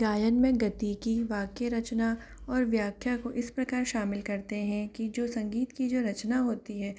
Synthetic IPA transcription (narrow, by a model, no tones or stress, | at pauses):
ɡaːjənmẽɡɐt̪ikiʋaːkeɾɐt͡ʃna | ɔːɾʋjaːkʰjakoʔɪspɾɐkaːɾʃaːmɪlkɐɾt̪eɦɛ̃kid͡ʒoːsɐ̃ŋɡiːt̪kid͡ʒoːɾɐt͡ʃnaɦoːt̪iɦɛː